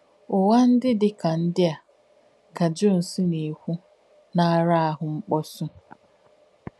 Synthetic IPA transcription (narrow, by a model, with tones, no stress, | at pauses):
ʊ˨wa˦n̩˦dɪ˦dɪ˦ka˨n̩˦dɪ˦a˨ | ka˨d͡ʒo˦˨n̩˨si˦ne˨kʷu˦ | na˦ɾa˦a˦ɦʊ˨ŋ͡m̩˦k͡pɔ˦sʊ˦